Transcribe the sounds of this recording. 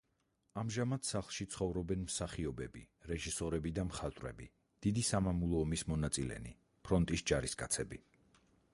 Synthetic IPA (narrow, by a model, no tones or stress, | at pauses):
amʒamat̪saχlˠʃit̪sʰχɔvɾɔbɛnmsaχiɔbɛbi | ɾɛʒisɔɾɛbid̪amχat̪ʼwɾɛ̰bi | d̪̥id̪isamamulˠɔːmismɔnat̪sʼilɛ̰nḭ | pʰɾɔnt̪ʼisd͡ʒaɾiskʼat̪sʰɛbi